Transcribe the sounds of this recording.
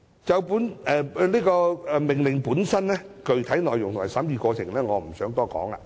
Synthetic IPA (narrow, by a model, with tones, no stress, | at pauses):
t͡sɐ˨˧wpuː˨˥nɛ˨liː˥kɔː˧ɛ˨˧mɪ˨˩ŋlɪ˨˩ŋpuː˨˥nsɐ˥nnɛː˥ | kɵ˨˧ɥt̪ʰɐ˨˥jnɔː˨jʊ˨˩ŋt̪ʊ˨˩ma˨˩sɐ˨˥mjiː˧kɔː˧t͡sʰɪ˨˩ŋlɛː˥ŋɔː˨˧m̩˨˩sœː˨˥ŋt̪ɔː˥kɔ̰ː˨˥ŋa̰ː˧